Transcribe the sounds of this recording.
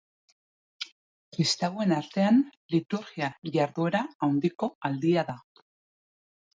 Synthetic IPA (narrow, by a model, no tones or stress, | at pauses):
kɾist̪awe̞naɾt̪e̞anlit̪uɾɣiaʝaɾðue̞ɾaawnd̪iko̞ald̪iaða